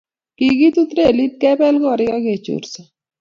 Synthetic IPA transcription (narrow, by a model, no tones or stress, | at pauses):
kiːɡit̪ut̪ɾelit̪̚kɛːpɛːlɡɔːɾiaɡeːt͡ʃṵːɾsa